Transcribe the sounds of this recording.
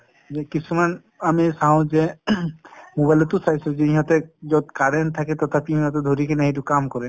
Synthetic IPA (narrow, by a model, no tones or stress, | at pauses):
d͡ʒekit͡ʃʰuman | amisaɦɔ̃d͡ʒe | mobajlɔt̪usajsod͡ʒeĩɦɔt̪ed͡ʒɔd̪kaɾent̪ʰaket̪ɔt̪ʰapiĩɦɔ̃t̪ed̪ʱoɾikenaɦiʈukamkɔɾen